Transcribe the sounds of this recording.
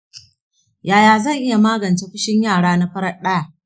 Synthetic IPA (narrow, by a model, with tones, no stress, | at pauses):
jaː˨jaː˨zɐ˦˨ŋʔɪ˦ja˨maː˦ɡɐ˨nt͡ʃeː˦ɸɪ˦ʃɪ˦ɲjaː˦˨ɽaː˦na˦ɸɐ˦ɾɐ˦ɗɐ˦ja˨ʔ